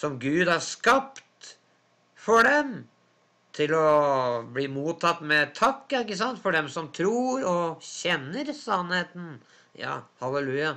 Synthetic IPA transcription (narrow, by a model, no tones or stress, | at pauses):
sɔmɡʉːd̪hɑɾskɑpt̪ | fɔɖɛm | t̪ʰɪlɔbliːmuːt̪ʰɑt̪ːmɛt̪ʰɑkːəɪkːəs̬ɑnt̪fɔɖɛmsɔmt̪ʰɾuːɾɔɕɛnːəɾsɑnheːt̪n | jɑ̰ːhɑləlʉːjɑ